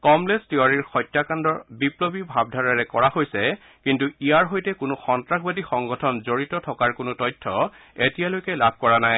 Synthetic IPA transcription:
kɔmlestiaɹiɹxɔjtːjakandɔɹbiplobibʱab̚ʱdʱaɹaɹɛkɔɹahojsɛ | kintuijaɹɦojtɛkʊnʊxɔntɹakʰbadixɔŋɡɔtʰɔnzoɹitɔtʰɔkaɹkʊnʊtɔjtʰːɔ | etijalojkɛlabʱkɔɹanaj

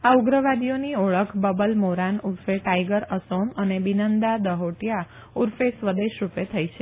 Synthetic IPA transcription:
auɡɾəʋad̪ionioɭəkʰbəbəlmoɾanuɾfeʈajɡəɾəsomənebinənd̪ad̪əɦoʈja | uɾfesʋəd̪eʃɾupet̪ʰəjt͡ʃʰe

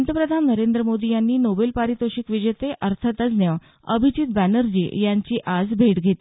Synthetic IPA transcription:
nt̪əpɾəd̪ʱanːəɾend̪ɾəmod̪ijanːiːnobelpaɾit̪oɕikʋid͡ʑət̪eʔəɾt̪ʰət̪əd͡znjə | əbʱit͡ɕit̪̚bænəɾd͡ʑḭːjaɲt͡ɕiːʔad͡zbʱeʈɡʱet̪i

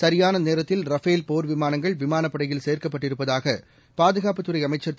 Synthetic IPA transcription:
sɐɾɪjaːnɐneːɾɐt̪ːɪlɾɐfeːlpoːɾʋɪmaːnɐŋɡɐɭʋɪmaːnɐpːɐɽɐjɪlseːrkɐpːɐʈːɪɾɯpːɐðaːɣɐ | paːðɯɣaːpɯt̪ːɯɾɐɪɐmɐɪt͡ʃːɐɾt̪

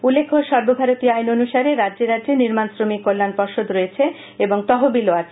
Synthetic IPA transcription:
ulːekʰːoʃɔɾbobʱaɾot̪iajnonuʃaɾeɾadːd͡ʑeɾadːd͡ʑeniɾmansɾomikːolːanpɔɾʃod̪ɾoet͡ɕʰe | eboŋt̪ɔɦobiloat͡ɕʰ

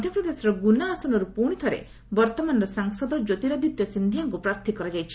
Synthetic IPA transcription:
d̪ʱjɔpɾɔd̪esɔɾɔɡunaːsɔnɔɾupuɽ̃it̪ʰɔɾḛ | bɔɾt̪ɔmanɔɾɔsaŋsɔd̪ɔd͡ʒot̪iɾad̪it̪jɔsind̪ʱiaŋkupɾaɾt̪ʰikɔɾad͡ʒajt͡ʃʰi̥

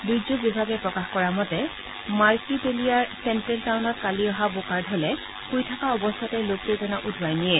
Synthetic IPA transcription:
dud͡ʒubibʱaɡɛpɹɔkaxkɔɹamɔtɛ | maɹkipelijaɹsɛntɹɛltawnɔtkaliɔɦabokaɹdʱɔlɛ | pujtʰakaɔbɔstʰɔtɛloktezɔnaʔudʱbajniɛ

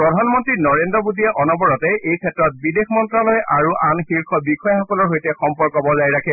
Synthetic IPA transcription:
pɹɔdʱanmɔntɹinɔɹendɹɔbudiɛʔɔnɔbɔɹɔtɛejkʰɛtːɹɔt̚bidexmɔntɹalɔjʔaɹuʔanxiɹkʰɔbikɔjaxɔkɔlɔɹɦojtɛxɔmpɔɹkɔbɔzajɹakʰɛ

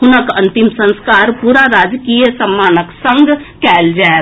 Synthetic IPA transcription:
ɦʊnəkɐ̃nt̪ɪmsə̃nskaːɾpuɾaɾaːd͡ʒkijəsəmːaːnəksə̃ŋɡkɛːld͡ʒae

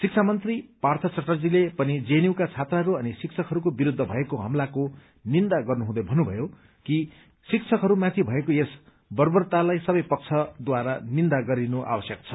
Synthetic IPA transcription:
sik̚t͡sʰamʌnt̪ripart̪ʰʌt͡sʌʈːʌrd͡zilepʌnid͡zeniwkat͡sʰat̪raɦʌɾuʌnisik̚t͡sʰʌkɦʌɾukobiɾud̪ʱːʌbʱʌekoɦʌ̰mlako | nind̪aɡʌrnuɦũd̪ʌjbʱʌnːubʱʌjo | ki | sikt͡sʰʌkɦʌɾumãt̪ʰibʱʌekoes | bʌrbʌrt̪alajsʌbʌjpʌk̚t͡sʰʌd̪waɾanind̪aɡʌɾinoʔa̰bʌsjʌk̚t͡sʰʌ̥

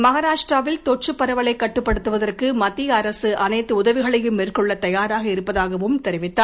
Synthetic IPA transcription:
mɐɣaːɾaːʂʈraːʋɪlt̪ɔʈ̚t͡ʃɯpːɐɾɐʋɐɭɐɪkːɐʈːɯpːɐɽɯt̪ːɯʋɐðɐrkɯmɐt̪ːiɐɾɐsɯʔɐnɐɪt̪ːɯʊðɐʋɪɣɐɭɐjɯmeːrkɔɭːɐt̪ɐjaːɾaːɣɐɪɾɯpːɐðaːɣɐʋɯmt̪ɛɾɪʋɪt̪ːaː

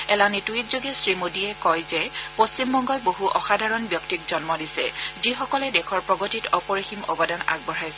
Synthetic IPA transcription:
ɛlanitwitzoɡɛsɹimodiɛkɔjzɛpost͡ɕimbɔŋɡɔlboɦuʔɔ̰xadʱaɹɔnbjɔktikzɔnmɔdisɛ̰zixɔkɔlɛdɛkʰɔɹpɹɔɡotitɔpɔɹiximɔ̰bɔdana̰ɡ̚bɔɹajsɛ

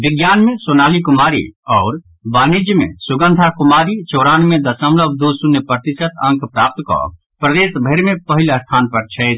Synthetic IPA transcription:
bɪɡjaːnmẽsonaːlikʊmaːɾḭɔːɾ | baːnid͡ʒjəmḛ̃suɡə̃nd̪ʱakumaːɾit͡ʃoːɾaːnmẽd̪əsəmləbʱd̪osunjəpɾət̪isət̪ə̃ŋkʰpɾaːp̚t̪kɔ̰ | pɾəd̪eːsbʱəɪɾmẽpəɦiləst̪ʰaːnpəɾt͡ʃʰɛ

